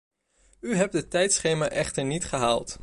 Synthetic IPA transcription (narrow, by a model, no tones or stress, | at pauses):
yɦɛp̚dətɛjtsχejmaɹʔɛχtəɹnitχəɦaːlˠt